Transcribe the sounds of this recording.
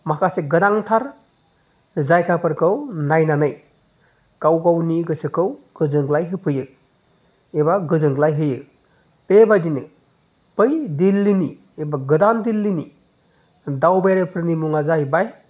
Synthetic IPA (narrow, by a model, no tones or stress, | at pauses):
makʰaseɡɯdaŋtʰaɾ | zajkʰapʰɯɾkʰɯwnajnanɯj | kawɡawniɡɯsɯkʰɯwɡ̥ɯzɯŋɡlajɦɯpʰɯjɯ | ebaɡɯzɯŋɡlajɦɯjɯ | pebajdinɯ | pɯjdilːini | ebaɡɯdandilːini | dawbajɾepʰɯɾnimuŋazajbaj